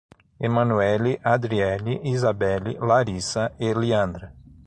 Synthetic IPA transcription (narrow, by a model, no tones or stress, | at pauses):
emɐ̃nuɛliʔad̪ɾiɛliizabɛlḭlaɾisɐeliɐ̃nd̪ɾɐ